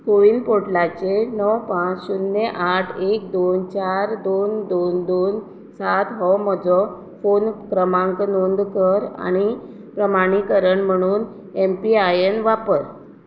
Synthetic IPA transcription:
koʋiːnpoʈlat͡ɕenɔwpãt͡ssunːeʔaʈʰek̚d̪ont͡ɕaɾd̪ond̪ond̪on | sat̪ɦɔmɔd͡zɔ | fonkɾəmãŋknond̪kəɾa̰ɽ̃i | pɾəmaɽ̃ikəɾəɳm̤əɽ̃uːn | empiajenʋapəɾ

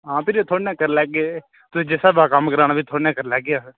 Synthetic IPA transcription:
ɦãːpʰɪɾoːt̪ʰoːɽãːkəɾlɛːɡeː | t̪ʊsĩːd͡ʒɛːsaːbaːkəmkəɾaːnaːbiːt̪ʰoːɽãːkəɾlɛːɡɪjaː

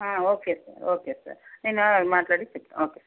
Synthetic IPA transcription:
ãːoːkesa̰ːɾoːkesa̰ːɾninamaːʈlaːɽit͡ʃːɐkːḛ̃ʔoːkesaɾ

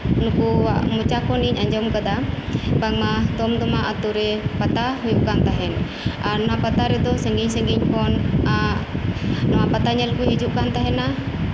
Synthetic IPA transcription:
nukuwaʔmut͡ʃakɔniɲaɲd͡ʒɔmkad̪abaɡ̚mad̪ɔmd̪ɔmaʔat̪uɾɛpat̪aɦujuʔkant̪aɦɛn | aɾnɔwapat̪aɾɛd̪ɔsɛŋɡiɲsɛ̃ŋɡiɲhɔna | nɔwapat̪aɲɛlkuɦid͡ʒuʔkant̪aɦɛna

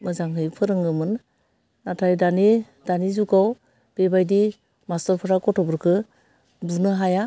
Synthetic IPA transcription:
mɯzaŋɦɯjpʰɯɾɯŋɯmɯn | natʰajdani | danizuɡaw | b̥ebajdi | mastɔɾpʰɯɾakɔtʰɔbɯɾkʰɯ | bunɯɦaja

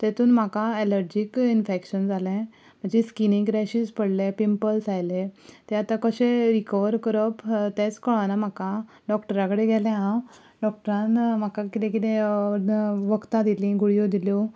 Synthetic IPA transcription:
t̪et̪uːnm̤akaɛləɾd͡ʑikinfekɕənd͡zalɛ̃ | m̤əɳd͡zeskiniŋɡɾɛɕispəɽlẽpimpəlsajlẽt̪ẽat̪ãkəɕẽɾikəʋəɾkəɾəpt̪et͡skəɭanam̤aka | ɖɔkʈəɾãkəɽeɡʱɛlɛ̃ɦãw | ɖɔk̚ʈəɾãnm̤akakit̪ɛ̃kit̪ẽ | ʋəkt̪ad̪ilĩɡuɽijod̪iljɔ

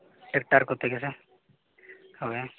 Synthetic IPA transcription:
ʈek̚ʈaɾkɦoːt̪eekɛːse | hoːe

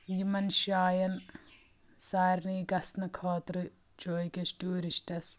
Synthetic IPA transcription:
jimɐnʃaːjɐn | saːɾniɡɐsnɐkʰoːt̪ɾɨ | t͡ʃoːjkɐsʈuːɾisʈɐs

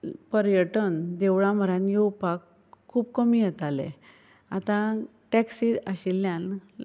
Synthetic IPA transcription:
pəɾjəʈənd̪eʋɭam̤əɾãnjeupakʰː | uːpkəmijɛt̪alḛ̃ | at̪ã | ʈɛksiaɕilːjãn

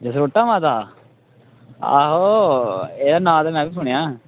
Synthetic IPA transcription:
d͡ʒəsɾoːʈːaːmãːt̪aː | a̰ːɦo | eːd̪aːnãːt̪amɛ̃ːbiːsʊɳ̃jãː

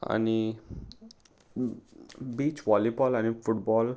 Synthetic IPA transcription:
a̰ni | biːt͡ɕʋɔlipɔːlañifuʈbɔːl

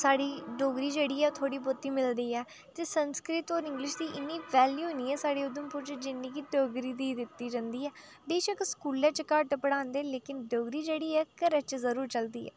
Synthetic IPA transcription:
saːɽiːɖoːɡɾiːd͡ʒeːɽiːɛːt̪ʰoːɽiːbot̪ːiːmɪld̪iːɛː | t̪eːsənskɾɪt̪ɔːɾɪ̃ŋɡlɪʃd̪iːʔɪnːiːʋɛːljuːniːɛːsaːɽeːʊd̪əmpʊːɾt͡ʃd͡ʒɪnːĩːkiɖoːɡɾiːd̪iːd̪ɪt̪ːiːd͡ʒãːnd̪iːɛː | beːʃəkskuːlɛ̃ːt͡ʃəkaːʈpəɽãːnd̪eːleːkɪnɖoːɡɾiːd͡ʒeːɽiːɛːkəɾɛt͡ʃzəɾuːɾt͡ʃəld̪ḭːɛ̰ː

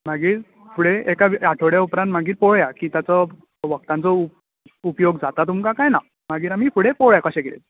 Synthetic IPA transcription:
maɡiːɾ | fʰuɽeekaʋiaʈʰoɽjaupɾant̪m̤aɡiːɾpoɭjakiːt̪jat͡sɔ | ʋək̚t̪ãnt͡sɔu | upjoɡd͡zat̪at̪̬umkakajna | maɡiːɾamiːfuɽepɔɭjakəɕɛ̃kelḛt̪

